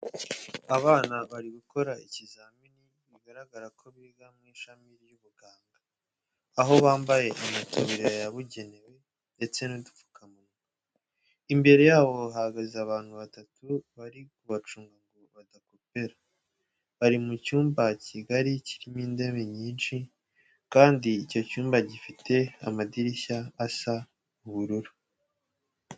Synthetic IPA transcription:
aβaːnaβaɾiβuko̞ɾaicizamini | βiɡaɾaɡaɾakʰo̞βiɡamŋiːʃamiɾjuβuɡaːŋɡaː | ɦo̞βaːmbaje̞ʔamatʰuβɾeajaβuɟe̞ne̞we̞ | nde̞t͡se̞nudu̥fu̥kʰamuŋɡu | imbe̞ɾe̞jaːβo̞ɦaɡaziaβaːn̥huβatatuβaɾikuβat͡ʃuːŋɡaŋɡoβadako̞pe̞ɾa | βaɾimucuːmbaciɡaɾiciɾimiːnde̞me̞ɲiːnʃi | kaːndiːco̞cuːmbaɟifitʰe̞amadiɾiçaːsa | uβuɾuɾu

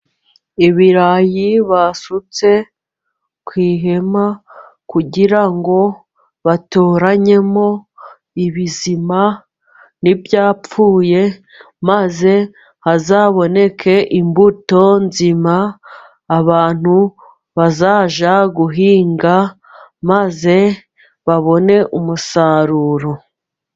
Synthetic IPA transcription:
iβiɾajiβasut͡se̞ | kwiːɦe̞ma | kuɟiɾaŋɡo̞ | βatoːɾaɲe̞mo̞ | iβizima | nibjaːpp͡fuːje̞ | maze̞ | hazaːβo̞ne̞kʰe̞ʔimbuto̞nzimaː | βaːn̥hu | βazaːʒaɡuɦiːŋɡa | maze̞ | βaβo̞ne̞ʔumusaːɾuːɾo̞

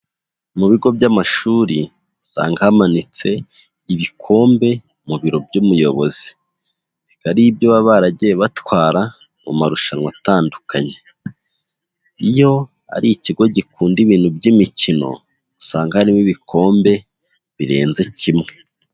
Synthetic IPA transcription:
muβiɡo̞bɟamaʃuːɾi | sa̰ːŋɡahamanit͡se̞ | iβikʰo̞ːmbe̞ | muβiɾo̞bɟumujo̞βo̞zi̥ | βikaɾibjoβaβaɾaɟiβatwaːɾa | mṵmaɾuʃanwataːndukʰaɲe̞ | ijo̞ | a̰ɾiiciɡo̞ɟikuːndiβiːn̥hubɟimicino̞̰ | saːŋɡahaɾimiβikʰo̞ːmbe̞ | βiɾe̞̰ːnze̞cimŋe

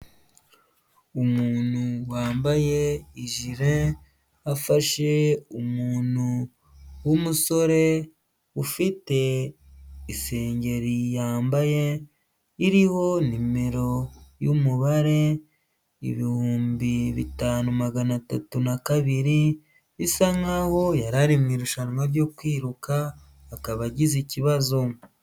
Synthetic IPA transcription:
umuːnuwaːmbaje̞iʒiɾe | afaʃe̞umuːnu | wumuso̞ɾe̞ | ufite̞ | ise̞ːɲɟe̞ɾijaːmbaje̞ː | ɾiho̞nime̞ɾo̞jumuβaɾe̞ | ḭβihuːmbiβḭtaːnumaɡanatatunakaβiɾi | βisaŋaho̞jaɾaɾimŋiːɾuʃanmaɾjo̞kwiːɾukaː | kaβaɟiziciβazo̞

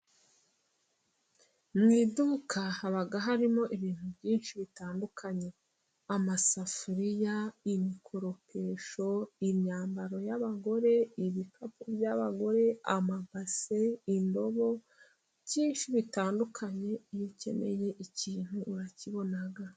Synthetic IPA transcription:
mŋiːdukahaβaɡaɦaɾimo̞ʔiβiːn̥hubɟiːnʃiβitaːndukʰaɲe̞ | amasafuɾijaimikʰoɾo̞pʰe̞ːʃo̞iɲaːmbaɾo̞jaβaɡo̞ɾe̞iβikapubjaβaɡo̞ɾe̞amabaseindo̞βo̞ | bɟiːnʃiβitaːndukʰaɲe̞jice̞̰me̞̰je̞ʔiciːn̥huʔːɾaciβo̞naɡa

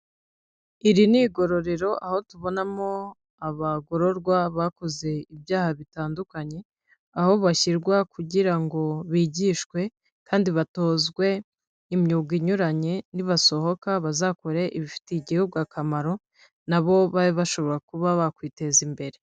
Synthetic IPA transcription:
iɾiniɡo̞ɾo̞ɾe̞ɾo̞ʔaho̞tuβo̞namo̞ | aβaɡo̞ɾo̞ɾɡwaβako̞ze̞ibjaːhaβitaːndukaɲe̞ | aho̞βaçiɾɡwakuɟiɾaŋɡo̞βiːɟiːʃkwe̞ | kaːndiβato̞ːzɡwe̞ | imɲuːɡiɲuɾaɲe̞niβaso̞ho̞kaβazako̞ɾe̞ʔiβifi̥teɟihubɡakamaɾo̞ | naβo̞βaβiβaʃo̞βo̞ɾakuβaβakwiːte̞zimbe̞ɾe̞

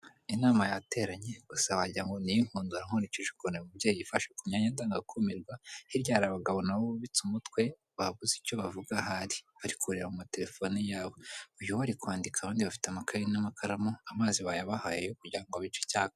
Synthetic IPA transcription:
inaːmajate̞ɾaɲe̞ɡ̥usawaɟiɾaŋɡo̞nijiŋ̥huːnduɾaŋ̥oniciʒu̥konemubɟeːjiβifaʃukuɲaɲadaːŋɡakʰumiɾɡwahiɾɟaːɾaβaɡaβo̞naβoββit͡sumutwe̞ | βaβuzico̞βavuɡaɦaɾi̥βaɾikʰuɾeɾamumate̞ɾe̞fo̞nijaːβoujuhoβaɾikwaːndikaβaːndiβafi̥teamakʰajinamakʰaɾamoamaːziβajaβahaːjejokuɟiɾaŋɡoβit͡ʃecaːko

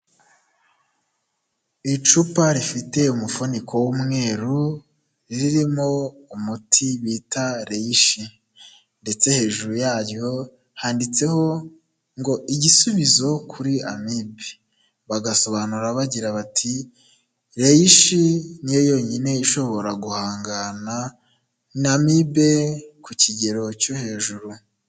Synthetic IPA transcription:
it͡ʃupaɾifite̞umufonikʰo̞wumŋe̞ːɾu | ɾiɾiɾimo̞umutʰiβitaɾejiʃi | nde̞t͡se̞he̞ːʒuɾujaːɾjo̞ | haːndit͡se̞ho̞ | ŋɡo̞ʔiɟisuβizo̞kʰuɾia̰mibe̥ | βaɡaso̞βanuɾaβaɟiɾaβatʰi | ɾe̞jiʃinijojo̞ɲine̞iʃo̞βo̞ɾaɡuhaːŋɡana | amibe̞kuciɟe̞ɾo̞cohe̞ːʒuɾu

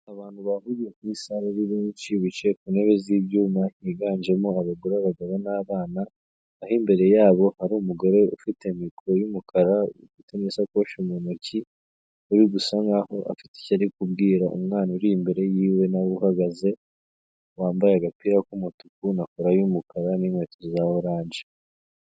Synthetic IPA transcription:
aβaːn̥huβahuɾijekumisaɾaɾiβiːɲt͡ʃiβit͡ʃe̞kune̞βe̞ziːbjuːmaniɡaːɲd͡ʒe̞moaβaɡuɾaβaɡaβanaːβaːnaː | himbe̞ɾe̞jaːβo̞haɾumuɡo̞ɾe̞ufite̞mikuɾo̞jumukʰaɾaufitemisako̞ːʃumunoci | uɾiɡusaŋɡaho̞ʔa̰fi̥te̥caɾikub̚ɡiːɾaʔṵmŋaːnuɾimbe̞ɾe̞jiːwe̞naβuhaɡaze̞ | waːmbajaɡapiɾakumutukunakoɾajumukaɾaniŋwe̞ːtozaoɾaːɲd͡ʒe

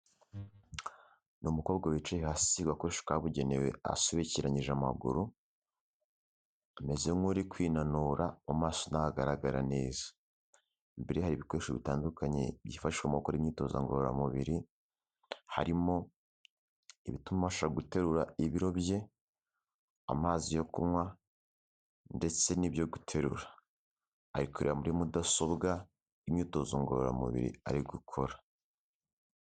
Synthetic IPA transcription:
numuko̞ːbɡawit͡ʃajihasiɡwakoɾeʃo̥kaβuɟe̞newe̞̰a̰soβeciɾaɲiʒama̰ɡṵɾu | me̞zemŋuɾikwiːnanuːɾaomaːsonahaɡaɾaɡaɾa̰ne̞ːzḁ | mbeɾehaɾiːβiko̞ɾeʃoβitaːndukaɲḛβjiːfaʃiʃwemukoɾimɲiːto̞za̰ŋɡoɾoɾa̰muβḭɾi | ha̰ɾimo̞ | iβitumaʃaɡute̞ɾuɾaiβiɾo̞βje̞ | a̰maːzijo̞kumwa | nde̞t͡se̞nibjo̞ɡutʰe̞ɾṵɾaː | ɾikuɾeamuɾimudaso̞bɡa | imɲiːto̞zoŋɡo̞ɾoɾa̰mṵβḭɾḭa̰ɾiɡukʰo̞ɾa

